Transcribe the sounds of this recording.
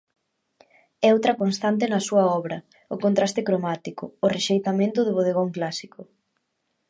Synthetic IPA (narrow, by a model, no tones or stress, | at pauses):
ɛowt̪ɾɐkonst̪ant̪̬ɪnɐsuɐɔβɾɐ | ʊkont̪ɾast̪ɪkɾomat̪ikʊːreʃejt̪amẽnt̪ʊðʊβoðeɣoŋklasikʊ